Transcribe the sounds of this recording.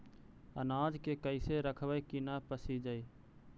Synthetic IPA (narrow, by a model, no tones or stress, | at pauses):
ə̰naːd͡ʒkeːkəɪseːɾəkʰʋəekinaːpəsiːd͡ʒəiː